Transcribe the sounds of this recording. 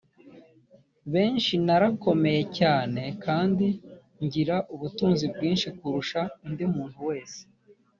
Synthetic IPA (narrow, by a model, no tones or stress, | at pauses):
βe̞ːnʃinaɾako̞me̞je̞caːne̞kaːndi | ɲɟiɾaʔuβutuːnzib̚ɡiːnʃikuɾuʃandimuːnhuwe̞ːse̥